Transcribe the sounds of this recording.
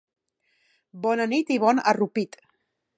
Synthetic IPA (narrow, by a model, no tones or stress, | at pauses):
bɔnənit̪iβɔnərupit̪